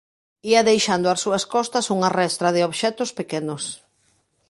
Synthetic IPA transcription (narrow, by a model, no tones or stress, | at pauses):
iɐðejʃand̪oasuɐskɔst̪ɐsuŋarɛst̪ɾɐð̞ɪoβʃɛt̪ʊspekenʊs